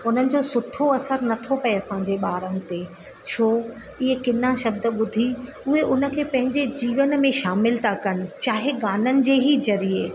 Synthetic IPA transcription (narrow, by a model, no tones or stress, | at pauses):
ʊn̤ənɪ̆d͡ʑoːsʊʈʰoɐsəɾnɐt̪ʰopɐeɐsãɲd͡ʑeɓaːɾənt̪e | t͡ɕʰoː | ɪɦekɪnaʃɐb̚d̪̆ɓʊd̪ʱi | ʊɦeʔʊnə̆kʰeːpɐ̃ɦɪ̃ɲd͡ʑed͡ʑiːʋənmẽʃaːmɪlt̪ʰakɐnɪ̆t͡ɕaːɦeɡaːnənɪ̆d͡ʑeːɦizɐɾie